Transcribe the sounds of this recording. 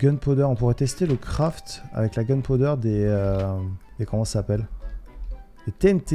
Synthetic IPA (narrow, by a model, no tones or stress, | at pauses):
ɡœnpod̪œʁɔ̃puʁɛt̪ɛst̪eləkχaft̪a̰vɛklaɡanpod̪œʁd̪eø | d̪ekɔmɑ̃sapɛl | d̪̥et̪eɛnt̪e